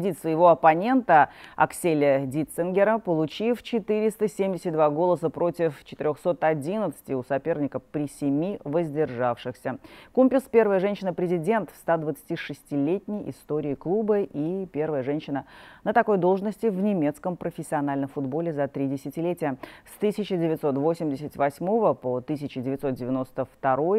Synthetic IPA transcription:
dʲit̪svəjɪvo̞ɐpɐnʲe̞nt̪əɐ̰ksʲelʲədʲit̪sɨnɡʲɪɾəpəlˠʊt͡ɕift͡ɕɪt̪ɨɾʲɪst̪əsʲemʲdʲɪsʲɪt̚ʲd̪vaɡo̞lˠəsəpɾo̞tʲɪft͡ɕɪt̪ɪɾʲo̞xso̞t̪ɐdʲinət̪sɨ̥tʲɪʊsɐpʲe̞rnʲɪkəfpɾʲɪsʲɪmʲivəzʲdʲɪrʐafʂɨxsʲəkumʲpʲɪlspʲe̞rvəjəʐɛnʲɕɪnəpɾʲɪzʲɪdʲe̞nt̪fst̪ad̪vət̪sɨ̥tʲiʂɨsʲtʲɪlʲetʲnʲɪjʔɪ̰st̪o̞ɾʲɪːklˠubəʔipʲe̞rvəjəʐɛnʲɕɪnənət̪ɐko̞jd̪o̞lˠʐnəsʲtʲɪvnʲɪmʲe̞t̪skəmpɾəfʲɪsʲːɪɐnalʲnəmfʊd̪bo̞lʲɪzɐt̪ɾʲidʲɪsʲɪtʲɪlʲetʲɪjəst̪ɨsʲɪt͡ɕɪdʲɪvʲɪt̪so̞t̪vo̞sʲɪmʲdʲɪsʲɪtʲvɐsʲmo̞vəpot̪ɨs̬ʲɪt͡ɕɪdʲɪvʲɪt̪so̞t̪̚dʲɪvʲɪno̞st̪əft̪ɐɾo̞j

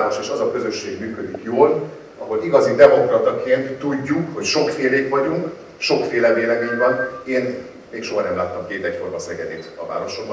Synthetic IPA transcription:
ɾoʃeːʃɒzɒkø̞zøʃːeːɡmyːkød̪ikjoːl | ɒɦo̞liɡɒzid̪ɛmo̞krɒt̪ɒkeːnt̪ːuɟːukho̞cʃo̞kfeːleːkʋɒɟuŋk | ʃo̞kfeːlɛveːlɛmeːɲvɒneːn | meːkʃoɦɒnɛmlaːt̪ːɒmkeːt̪ɛcfo̞rmɒsɛɡɛd̪eːt̪ɒ̰va̰ːɾo̞ʃobɒ

